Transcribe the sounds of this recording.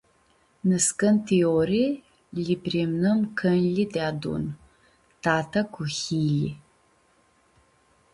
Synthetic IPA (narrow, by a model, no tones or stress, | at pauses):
nɨskɐntʰioɾi | liprimnɨmkʰɐnlidaːdṵn | tʰaːtʰɐkʰʷuxiːli